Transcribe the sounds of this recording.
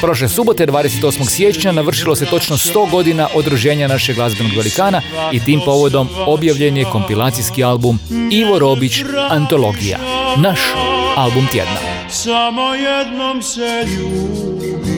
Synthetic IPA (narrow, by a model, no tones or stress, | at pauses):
pɾo̞ʃ̬lesubo̞t̪e̞d̪ʋaːd̪e̞set̪o̞smo̞ɡsje̞t͡ʃɲanaʋr̩ʃilo̞se̞t̪o̞t͡ʃnost̪o̞ːɡo̞d̪inaʔod̪ɾuʒe̞ːɲanaʃeɡlˠazbonoɡʋelikaːna | it̪iːmpo̞ʋo̞d̪o̞mo̞bjaʋʎe̞njeko̞mpilˠaːt̪sijskialbumiʋo̞ɾo̞bit͡ɕant̪o̞lo̞ɡija̰naʃalbumt̪jḛd̪na̰ | samojɛd̪nomseʎu